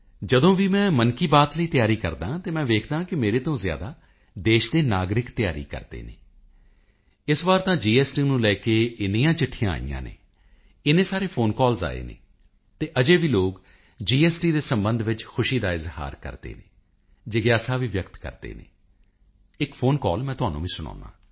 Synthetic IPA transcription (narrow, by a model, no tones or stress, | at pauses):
d͡ʒəd̪õːʋiːmɛ̃ːmənkiːbaːt̪ləiːt̪ɪjaːɾiːkə̰ɾd̪ãːt̪eːmɛ̃ːʋeːkʰd̪ãːkɪmeːɾeːt̪õːzɪja̰ːd̪aː | d̪eːʃd̪eːnaːɡɾɪkt̪jaːɾḭːkə̰ɾd̪ḛːnḛː | ɪsʋaːɾt̪ãːd͡ʒiːɛːsʈiːnũːlɛːkeːɪniːãːt͡ʃɪʈʰːɪjãːa̰ːḭjã̰ːnḛː | ɪnẽːsaːɾeːpʰoːnkɔːlza̰ːḛːnḛː | t̪eːʔəd͡ʒeːʋiːloːk | d͡ʒiːɛːsʈiːd̪eːsəmbə̃nd̪ʋɪt͡ʃkʰʊʃiːd̪aːɪzha̰ːɾkə̰ɾd̪ḛːneː | d͡ʒeːɡjaːsaːʋiːʋjəkt̪kə̰ɾd̪ḛːnḛː | ɪkpʰoːnkɔːlmɛ̃ːt̪ʊɦaːnṵ̃ːʋĩːsʊɽ̃ɔ̰̃ːnd̪ã̰ː